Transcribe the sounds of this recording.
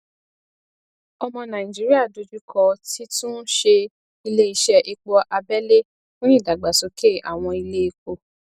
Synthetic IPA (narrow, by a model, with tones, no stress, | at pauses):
ɔ˧mɔ̃˧nã˨ĩ˨d͡ʒi˨˦ɾi˦a˦˨do˨˧d͡ʒu˦kʰɔ˧˦ti˦tũ˦ʃe˧ | i˧le˦i˧ʃɛ˧ʔi˧k͡pɔ˧ʔa˧bɛ˦le˦ | fũ˦ĩ˦˨da˨ɡ͡ba˨so˨˦ke˦˨ʔa̰˨w̃ɔ̃˧i˧le˦i˧ko˧